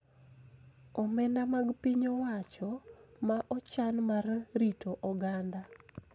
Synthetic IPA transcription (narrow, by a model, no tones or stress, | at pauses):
ɔmɛndamaɡpiɲowat͡ʃɔmaʔɔt͡ʃanmarritʰoʔɔɡanda